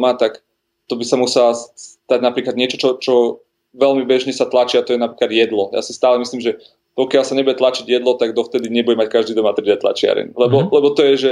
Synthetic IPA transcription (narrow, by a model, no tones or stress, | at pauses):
mat̪ak | t̪ɔbisamusɛlasst̪aɟnapɾiːklad̪ɲɪɛt͡ʃɔt͡ʃɔt͡ʃɔ | ʋɛlmibɛʒɲɛsat̪lat͡ʃiat̪ɔjɛnapɾiːklad̪jɛd̪lɔja̰sist̪aːlɛmisliːmʒɛ | pɔkɪalsaɲɛbujɛt̪lat͡ʃiɟjɛd̪lɔt̪aɡd̪ɔft̪ɛd̪iɲɛbuɟɛmackaʒd̪iːd̪ɔmat̪ɾid̪ɛt̪la̰t͡ʃɪa̰ɾɛ̰nlɛbɔlɛbɔt̪ɔjɛʒɛ